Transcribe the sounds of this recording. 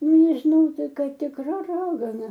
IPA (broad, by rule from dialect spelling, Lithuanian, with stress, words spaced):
nʲɛʒʲɪˈnɐʊ ˈtɐɪ ˈkɐɪ tʲɪkˈrɐ ˈrɑːɡɐnɐ